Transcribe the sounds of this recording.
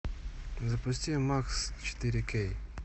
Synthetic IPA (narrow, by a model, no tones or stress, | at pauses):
zapʊst̪ʲijɔmakst͡ʃɛ̥t̪iɾʲikɛj